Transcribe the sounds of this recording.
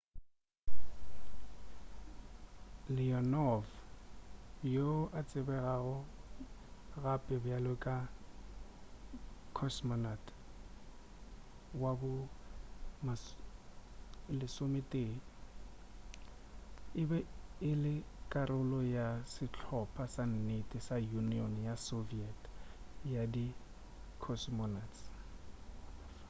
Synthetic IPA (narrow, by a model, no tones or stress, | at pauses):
liɔnɔv | joʔat͡sʼɪbɛɣaɣʊ | ɣapʼɪbjalekʼa | kʰɔsmɔnat | wabʊ | mas | lɪsomɪtʼeːŋ̩ | ɪbɛɪlɪkʼaɾʊlɔjasɪt͡ɬʰɔpʰasan̩netʼɪsajuniɔnjasoviɛtʰjadi | kʰɔsmɔnats